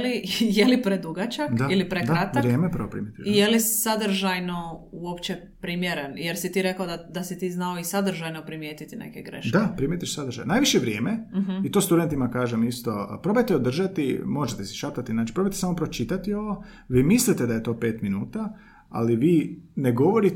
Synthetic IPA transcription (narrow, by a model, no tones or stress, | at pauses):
lijelipɾed̪uɡat͡ʃakd̪ailipɾedk̪ɾat̪aɾjeːmepɾʋopɾḭmjet̪iʃijelisad̪r̩ʒajno̞uopt͡ʃe | pɾimjeɾenjeɾsit̪iːɾe̞kaod̪ad̪asit̪iːznao̞isad̪r̩ʒajnopɾimjeːt̪it̪inḛkeɡɾḛʃd̪apɾimjet̪iʃsad̪ɾ̩ʒa̰jnaːjʋiʃeʋɾje̞ːmeɦit̪oːst̪ud̪e̞nt̪imakaːʒemist̪opɾo̞bajt̪eod̪r̩ʒat̪imo̞ʒet̪esi̥ʃapt̪at̪inaːt͡ʃi̥pɾo̞bajt̪esamopɾo̞t͡ʃit̪at̪io̞ʋo | ʋiːmislit̪ed̪ajet̪o̞ːpe̞ːt̪minuːt̪a | a̰liʋiːneɡo̞ʋoɾi